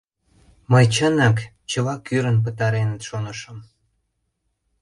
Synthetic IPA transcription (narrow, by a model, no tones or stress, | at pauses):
məjt͡ɕənɑk | t͡ɕəlɑkːyɾə̆np̬ət̪ɑɾenət̪ʃonəʃə̆m